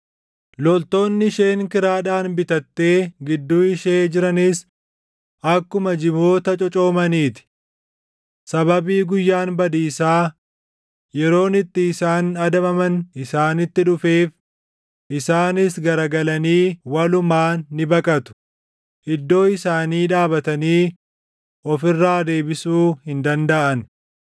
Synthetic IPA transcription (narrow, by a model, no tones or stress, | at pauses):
lɔlt̪o̞ːnːɪʃe̞ːŋkɪɾaːᶑaːnbɪt̪ɐt̪ːe̞ːɡɪd̪ːuːɪʃeːd͡ʒɪɾɐnɪs | ɐkːʊmɐd͡ʒɪbo̞ːt̪ɐt͡ʃʼɔt͡ʃʼo̞ːmɐniːt̪ɪ̥ | sɐβɐbiːɡʊjːaːnbɐd̪iːsaː | jɛɾo̞ːnɪt̪ːɪːsaːnɐd̪ɐmɐmɐnɪsaːnɪt̪ːɪᶑʊfeːf | ʔɪsaːnɪsɡɐɾɐɡɐlɐniːwɐlʊmaːɪbɐkʼɐt̪ʊ̥ | ʔɪd̪ːo̞ːɪsaːniːᶑaːbɐt̪ɐniː | ʔɔfɪrːaːd̪e̞ːbɪsuːhɪnd̪ɐnd̪ɐʔɐn